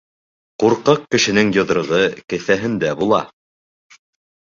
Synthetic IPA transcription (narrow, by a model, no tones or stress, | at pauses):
quɾqɤq̚kɘ̆ʃɘ̆nɘŋjɤ̆ðɾɤ̆ʁɤkɘ̆θæɦɘnd̪æbulˠɑ